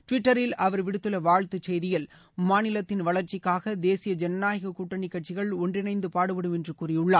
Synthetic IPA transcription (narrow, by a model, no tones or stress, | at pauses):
ʈʋɪʈːɐɾɪlɐʋɐɾʋɪɽɯt̪ːɯlɐʋaːɭt̪ɯt͡ʃɛjðɪjɪl | maːnɪlɐt̪ːɪnʋɐɭɐɾt͡ʃɪkːaːɣɐd̪eːsɪjɐd͡ʒɛnɐnaːjɐɣɐkuːʈːɐɳɪkːɐʈ̚t͡ʃɪɣɐɭɔndrɪnɐɪnd̪ɯpaːɽɯpɐɽɯmɛndrɯkuːrɪjɯɭːaː